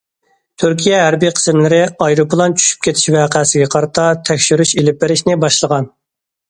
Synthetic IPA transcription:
t̪ʰyɾkʲijɛɦæɾbijqʰə̥smlɪɾɪɑjɾupʰlˠɑnt͡ʃʰy̥ʃy̥p̚kʲʰet̪ʰɪ̥ʃvæːqʰæsɪɡʲɛqʰɑɾɨt̪ʰɑt̪ʰɛkʲʃyɾyʃelɪp̚ːɪɾɪʃnɪbɑʃlˠəʁɑn

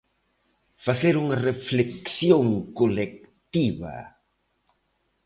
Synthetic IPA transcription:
faθeɾuŋɐrefleksjõŋkolek̚t̪iβɐ̰

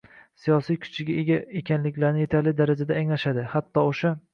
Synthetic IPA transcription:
sijɒsijkʰʊ̥t͡ʃʰɪɡʲaeɡʲaekʲʰanlɪkʲlaɾnɪje̞t̪ʰaɾlɪd̪aɾad͡ʒad̪aːŋlaʃad̪ɪhat̪ʰːɒoʃa

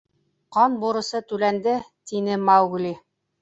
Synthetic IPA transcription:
qɑnbuɾɤ̆sɤt̪ʉlænd̪ɘt̪inɘmɑwɡli

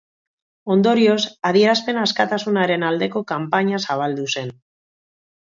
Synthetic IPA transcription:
o̞nd̪o̞ɾio̞saðie̞ɾaspe̞naskat̪asunaɾe̞nald̪e̞ko̞kampaɲasaβ̞ald̪use̞n

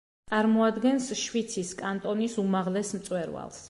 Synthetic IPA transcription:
t̪sʼaɾmɔad̪ɡɛnsʃwit̪sʰiskʼant̪ʼɔnisumaʁlɛsmt̪sʼwɛɾva̰lˠs

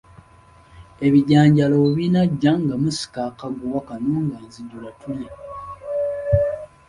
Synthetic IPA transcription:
e̞βiɟaːɲɟalouβinaɟːaŋɡamusi̥kakaɡuwakanuːŋɡanziɟulatulje

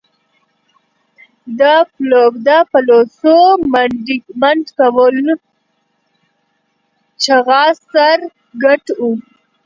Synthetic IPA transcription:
d̪əplobd̪apalosommaɳɖkawəl | t͡ʃaɣɑsaɾ | ɡaʈu

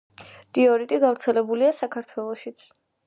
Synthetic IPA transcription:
t̪ʼiɔɾit̪ʼiɡavɾt̪sʰɛlɛbuliasakʰaɾt̪ʰwɛlˠɔʃit̪sʰ

